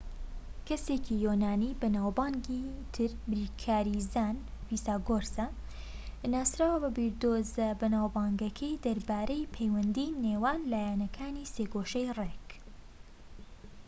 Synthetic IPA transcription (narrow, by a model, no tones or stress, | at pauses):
kɐsecʰijoːnaːniːbɐnaːwbaːŋɡit̪ʰɨɾbɾiːkʰaːɾizaːnviːsaːɡoːɾsɐ | naːsɾaːwɐbɐbiɾd̪oːzɐbɐnaːwbaːŋɡɐkʰɐjd̪ɐɾbaːɾɐjpʰejwɐnd̪iːneːwaːnlaːjanɐkʰaːniːseːkoʃɐjrek